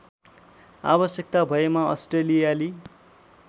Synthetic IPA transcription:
a̰bʌsjʌk̚t̪abʱʌemaʌ̰sʈrelijali

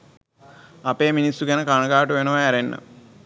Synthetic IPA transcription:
ɐpeːminisːukɐnɐkaːɳɐkaːʈːuʋenoːaɐɾenːɐ̰

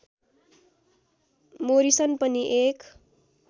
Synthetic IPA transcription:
moɾisʌnpʌniʔek

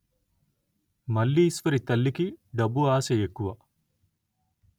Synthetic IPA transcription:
mɐlːiːsfɐɾit̪ɐlːikiɖɐbuaːsejekːuʋɐ

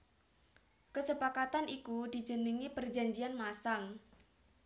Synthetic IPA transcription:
kəsəpakat̪anikud̪̥i̤̥d͡ʒ̥əniŋipərd͡ʒa̤ɲd͡ʒianmasaŋ

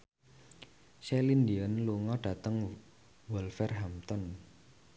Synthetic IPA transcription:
sɛlindiənluŋɔɖ̥a̤t̪əŋ | wɔlfɛrɦamt̪ɔn

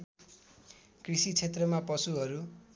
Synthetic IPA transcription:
krisit͡sʰet̪rʌmapʌsuɦʌɾu

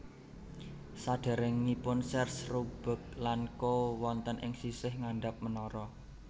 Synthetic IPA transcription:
saɖ̥a̤ɾɪŋːipʊnsɛrsrub̥ə̤k̚lankowɔnt̪ənʔɪŋsisɪhŋaɳɖap̚mənɔɾɔ

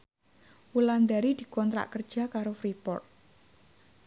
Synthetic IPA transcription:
wuland̪aɾid̪̥i̤kɔnt̪ɾa̰ʔkər̥ʒ̥a̤kaɾofɾipɔ̰rt̪̚

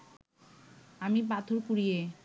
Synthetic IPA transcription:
amipat̪ʰoɾkuɾije

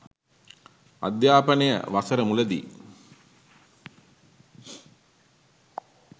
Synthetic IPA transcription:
a̰d̪jaːpənejə̰ʋasəɾəmuləd̪ḭ

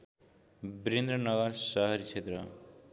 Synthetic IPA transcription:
bɾend̪ɾʌnʌɡʌɾsʌɦʌɾit͡ʃʰet̪rʌ

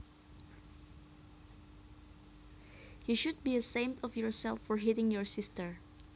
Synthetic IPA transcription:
hiʃud̚biəsẽmtɔfjɔɹsɛlˠfːɔɹɦiɾɪ̃ŋjɔɹsɪstəɹ

